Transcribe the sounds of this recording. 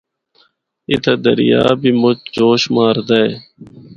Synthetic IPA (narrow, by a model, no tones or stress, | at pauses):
ɪt̪ʰad̪ə̰ɾɪja̰ːbʱiːmʊt͡ʃd͡ʒoːʃmaːɾd̪ae